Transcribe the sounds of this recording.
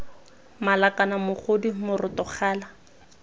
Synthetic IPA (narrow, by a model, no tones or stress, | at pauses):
malakʼanamʊχʰodimʊrɪtɔχʰaːla